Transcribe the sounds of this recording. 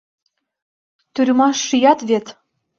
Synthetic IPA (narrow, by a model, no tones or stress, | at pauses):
t̪yɾʲmɑʃːijɑt̪βet̪